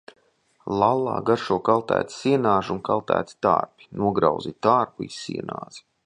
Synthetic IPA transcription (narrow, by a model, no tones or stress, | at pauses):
lˠalˠːɑ̰ːɡaɾʃuɔkalˠt̪æ̰ːt̪i̥siɛnaːʒuŋkalˠt̪æ̰ːt̪i̥t̪a̰ːɾpi̥nuɔɡɾawzit̪aːɾpuissḭɛna̰ːz̥i̥